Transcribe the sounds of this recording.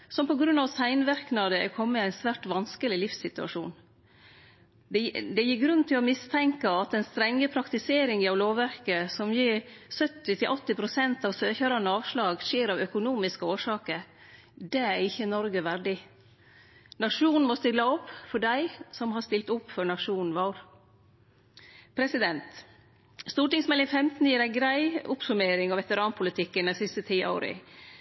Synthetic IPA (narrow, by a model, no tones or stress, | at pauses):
sɔmpɔɡɾʉnɑʋsæɪnʋæɾknɑd̪əɛ̰kʰɔmːət̪æɪnsʋæːʈʋɑnskəlɪlɪfsɪt̪ʉɑ̰ʂṵːn | d̪d̪ɛjɪːɾɡɾʉn̩t̪ʰɪlɔmɪst̪ʰɛŋkəɑt̪ɛnst̪ɾɛŋːəpʰɾɑkt̪ɪseːɾɪŋɪɑʋloːʋæɾkəsɔmjiːsœt̪ːɪt̪ʰɪlʔɔt̪ːɪpʰɾʊsɛnt̪ɑːʋsøːçəɾɑnəɑːʋʂlɑːɡʃeːɾɑʋœkʊnuːmɪskəoːʂɑːkəɾ | d̪ɛæɾɪçːənɔɾɡəʋæɖɪ | nɑʂuːnn̩mɔst̪ɪlːəɔpːfɔɖæɪsɔmhɑst̪ɪlt̪ʊpːfœɾɳɑʂuːnn̩ʋɑːɾ | pʰɾɛsɪd̪ɛnt̪ | st̪uːʈɪŋsmɛlɪŋfɛmt̪n̩jiːɾæɪɡɾæɪʊpsʉmeːɾɪŋɑʋɛt̪əɾɑːnpʰʊlɪt̪ʰɪkːənd̪æɪsɪst̪ət̪ʰiːʔo̰ːɾə̰